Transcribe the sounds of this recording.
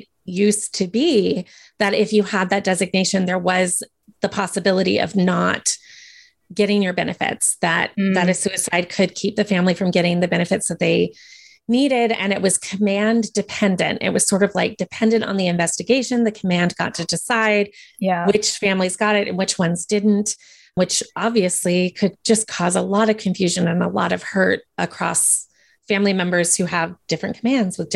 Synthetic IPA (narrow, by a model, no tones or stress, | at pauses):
jʉstʰɨbi | ðɨɾɪfjɨəd̪̚ðɨt̚d̥ɛzɨɡ̚neɪʃɨ̃nðə˞wʌz | ðəpʰɑsəbɪlˠəɾḭʔʌ̰vnət̚ | ɡ̥ɛɾɪ̃ŋjə˞bɛnɨfɪ̰tsðɨt̪̚ðɨɾɨsʉɨsaɪd̚kʰɨd̚kʰip̚ðɨfæ̃mlifɹʌ̃mɡɛɾɪ̃ŋðɨbɛñɨfɨtsðɨt̪̚ðeɪ | niɾɪɾɨ̰̃nɨʔ̚wʌz̥kʰɨmæ̃ndɨpʰɛ̃ndɨ̰̃ntɪ̰ʔ̚wʌz̥sɔɹɾʌvlaɪk̚d̥ɨpʰɛ̃ndɨ̃ntn̩ðiɨ̃ɱvɛstɨɡeɪʃɨ̃nðɨkʰəmæ̃nɡɑ̰tʰɨdɨsaɪd̚jwɪt͡ʃfæ̃mlizɡɑɾɪɾɨ̰̃nwɨt͡ʃwʌ̃nzdɪdⁿn̩t | wɨt͡ʃʔɑbviɨslikʰɨd̚d͡ʒʌskʰɔzəlɔɾʌv̥kʰɨ̃ɱfjʉʒɨ̃nɨ̃nəlɔ̰ɾʌv̥hɜ˞ɾəkʰɹ̥ɔ̰s | fæ̃mlimɛ̃mbə˞z̥hʉəvd̥ɪfɹɨ̃nkʰəmæ̃ndzwəðdɪ